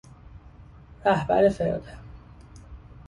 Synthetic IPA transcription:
ɾæhbæ̰ɾefeɾo̰d̪e

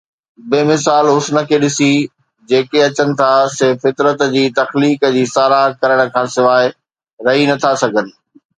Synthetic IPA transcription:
beːmɪsaːlɦʊsnə̆kʰeːɗɪsi | d͡ʑeːkeɐt͡ɕənɪ̆t̪ʰasɪfːɪt̪ɾət̪d͡ʑiːt̪ɐxliːkd͡ʑiːsaːɾakɐɾəɽ̃ə̆kʰãːsɪʋaːɪ | ɾɐɦinɐt̪ʰasɐɡʱənɪ̆

